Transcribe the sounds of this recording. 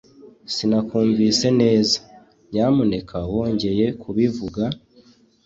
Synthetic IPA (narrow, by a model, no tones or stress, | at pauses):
sinakuːɱviːse̞ne̞ːza | ɟaːmune̞kʰawo̞ːɲɟe̞je̞kʰuβivuɡa